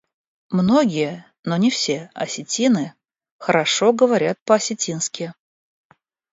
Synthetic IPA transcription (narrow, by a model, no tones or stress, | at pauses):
mno̞ɡʲɪjə | no̞nʲɪfsʲe̞ɐsʲɪtʲinɨ | xəɾɐʂo̞ɡəvɐɾʲat̪̚pəɐsʲɪtʲinskʲɪ